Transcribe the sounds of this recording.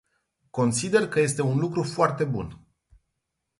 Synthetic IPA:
ko̞nsid̪e̞rkəje̞st̪e̞unlukɾufoart̪e̞bṵn

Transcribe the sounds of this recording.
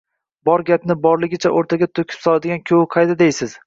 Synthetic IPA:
bɒɾɡʲapnɪbɒɾlɪɡʲɪt͡ʃʰaʔoɾt̪ʰaɡʲat̪ʰokʲʰɪ̥psɒlˠad̪ɪɡʲankʲʰowɪqʰɑjd̪ad̪ejsɪz̥

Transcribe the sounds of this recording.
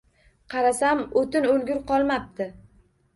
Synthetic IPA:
qʰɑɾasamot̪ɪnɵlɡʲʊɾqɒlˠmap̚t̪ɪ

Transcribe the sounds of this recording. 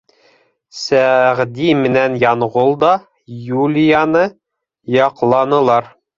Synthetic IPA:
sæʁd̪imɘ̆nænjɒɴʁolˠd̪ɒ | julʲijanɤ | jɒqlˠɑnɤ̆lˠɑɾ

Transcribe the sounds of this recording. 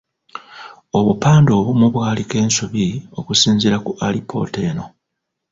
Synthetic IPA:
o̞βupaːndoːβumuβwaːlike̞ːnsuβio̞kusiːnziɾakuʔalipʰo̞̰ːte̞ːno̞

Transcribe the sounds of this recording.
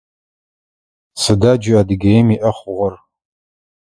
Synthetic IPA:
sɨdaːd͡ʒɪadɨɡɐjmiʔɐχʷʊʁʷɔr

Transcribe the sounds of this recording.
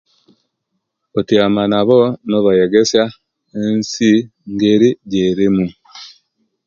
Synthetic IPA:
otiamanaβonoβajeɡesja | ensi | ŋɡeɾiɟeɾimu

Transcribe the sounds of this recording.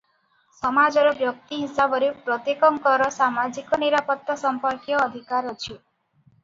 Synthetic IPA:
sɔmad͡ʒɔɾɔbjɔk̚t̪iɦisabɔɾepɾɔt̪ikɔŋkɔɾɔsamad͡ʒikɔniɾapɔt̪ɔsɔmpɔɾkjɔːd̪ʱikaɾɔt͡ʃʰi

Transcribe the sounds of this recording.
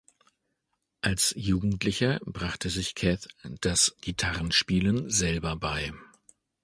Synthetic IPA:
ʔalsjuːɡŋ̩tlɪçɐbʁaχtʰəzɪçkʰɛθd̥asɡ̥itʰaʁənʃpiːlənzɛlbɐbaɪ

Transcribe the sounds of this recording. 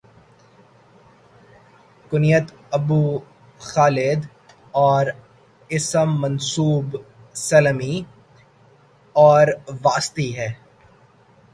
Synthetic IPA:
kʊnijət̪ | ɐbuː | xaːlɪd̪ | ɔːɾ | ɪsəmːɐnsuːb | sɐlmi | ɔːɾʋaːst̪iɦɛː

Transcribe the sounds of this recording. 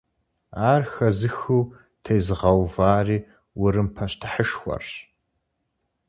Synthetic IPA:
aːrxɐzɨxuː | tʰejzɨʁɐwvaːriː | wʊɾɨmpʰɐɕtʰɨ̥ħəʃxʷɐ̰rɕ

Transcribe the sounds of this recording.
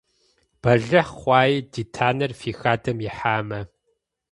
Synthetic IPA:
b̥ɐɮɐχχʷɑːjdiːtʰaːnɐrfiːxaːdɐmjɪħaːmɐ

